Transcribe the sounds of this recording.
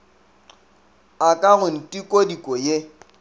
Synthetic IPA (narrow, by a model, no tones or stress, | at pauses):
akʼaɣʊn̩tʼikʼodikʼɔje